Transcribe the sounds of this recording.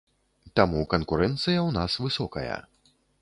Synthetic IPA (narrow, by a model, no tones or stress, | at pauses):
t̪amukɐnkuɾɛnt̪sɨjɐwnasvɨsɔkɐ̰jɐ̰